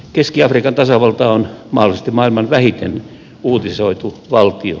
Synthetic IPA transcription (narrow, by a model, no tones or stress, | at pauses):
keskiɑfrikɑnt̪ɑsɑʋɑlt̪ɑːonmɑholˑist̪imɑilmɑnʋæhit̪en | uːt̪isoit̪uʋɑlt̪io̰